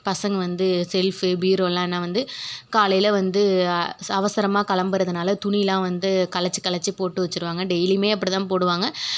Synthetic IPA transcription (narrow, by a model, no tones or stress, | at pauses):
pɐsɐŋɡɐʋɐnd̪ɯsɛlfɯbiːɾoːlãːenːãːʋɐnd̪ɯkaːlɐjlɐʋɐnd̪ɯɐʋɐsɐɾɐmaːkɐlɐmbɐɾɐðɯnaːlɐt̪ʊɳɪjɪlãːʋɐnd̪ɯkɐlɐt͡ʃːɯ̥kɐlɐt͡ʃːipoːʈːɯʋɐt͡ʃːɯɾɯʋaːŋɡɐɖɛjlimeːɐp̬ːɐɽit̪ãːpoːɽɯʋaːŋɡɐ